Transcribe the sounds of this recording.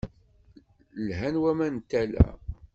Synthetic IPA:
lɦænwæmænt̪ːælæ̰

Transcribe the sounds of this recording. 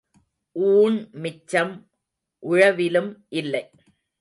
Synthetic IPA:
ʔuːɳmɪt͡ʃːɐm | ʔʊɻɐʋɪlɯmʔɪlːɐɪ

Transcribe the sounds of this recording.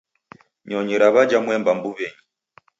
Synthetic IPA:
ɲɔɲiɾaβad͡ʒamwɛmbambuβɛɲi

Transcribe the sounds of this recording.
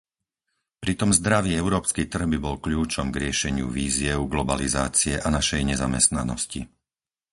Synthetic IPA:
pɾit̪ɔmzd̪ɾaʋiːɛʊɾɔːpskiːt̪r̩ɣbibɔlkʎuːt͡ʃɔmɡɾɪɛʃɛɲɪṵʋiːzɪɛʊɡlɔbaliza̰ːt͡siɛʔanaʃɛjɲɛzamɛ̰st̪nanɔ̰scḭ

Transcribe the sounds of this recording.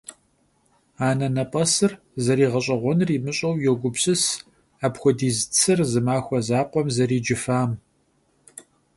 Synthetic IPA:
aːnɐnɐpʼɐsɨr | zɐɾiːʁɐɕʼɐʁʷɔnriːmɨɕʼɐwjɛɡʷʊbɕʼɨs | aːpxʷɔdiːzt͡sʰɨrzɨmaːxʷɔzaːqʷɔmzɐɾiːd͡ʒɪfaːm

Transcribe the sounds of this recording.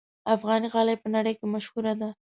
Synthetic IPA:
afɣɑniɣɑlajpənaɽəjkemaʃhuɾad̪a

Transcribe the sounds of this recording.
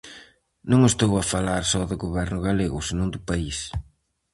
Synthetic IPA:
nõŋest̪owafalaɾsɔðʊɣoβɛɾnʊɣaleɣʊsenõŋd̪ʊpais

